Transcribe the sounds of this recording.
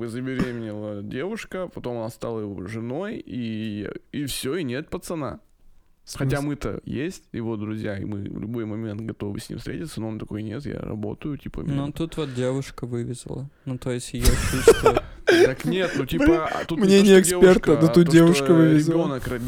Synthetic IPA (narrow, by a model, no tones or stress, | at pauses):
ɨzəbʲɪɾʲemʲɪnʲɪlˠədʲe̞vʊʂkəpɐt̪o̞mɐnast̪alˠəjɪvoʐɨno̞ji | ifsʲoinʲet̪̚pət̪t̪sɨna̰ | xɐamɨt̪ə̰jesʲtʲjɪvo̞d̪ɾʊzʲjaḭmɨ̰vlʲʊbo̞jmɐmʲent̪̚ɡɐt̪o̞vɨ̰sʲnʲḭmfst̪ɾʲetʲɪt̪sənoont̪ɐko̞jnʲet̪ja̰ɾɐ̰bo̞̰t̪əjʊtʲipə̰not̪ut̪vot̪̚dʲevʊʂkəvɨvʲɪzʲlˠə̰nut̪ojɪsʲjat͡ʃust̪t̪aknʲet̪notʲipə̰t̪umnʲenʲɪjəɪkʲspʲert̪əut̪ut̪̚dʲevʊʂkəvɨɾvʲɪɪzʲonəkɾɐ